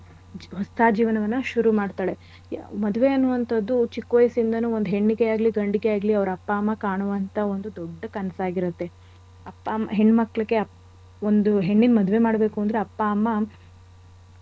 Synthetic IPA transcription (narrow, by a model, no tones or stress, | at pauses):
d͡ʒɦɔst̪ʰaːd͡ʒiːʋɐnɐʋɐnːɐʃuɾumaːɖt̪aːɭe̞ | mɐd̪uʋe̞ɐnːuʋɐnt̪ʰɐd̪ːut͡ʃikːʋɐjɐsind̪ɐnuːo̞nd̪uɦe̞ɳːiɡejaːɡliɡɐɳɖiɡejaːɡliɐʋɐɾɐpːaːmːɐkaːɳuʋɐnt̪ʰɐo̞nd̪ud̪ɔɖːɐkɐnɐsaːɡiɾut̪ːe̞ | ɐpːaɦe̞ɳːmɐkːɭɐkːe̞ɐ | ond̪uɦe̞ɳːinmɐd̪uʋe̞maːɽbe̞ːkuɐnd̪ɾe̞ɐpːaːmːɐ